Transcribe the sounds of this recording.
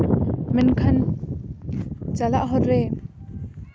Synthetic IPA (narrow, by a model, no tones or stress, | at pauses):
mɛnkʰɐn | t͡salaʔɦɔrːɛ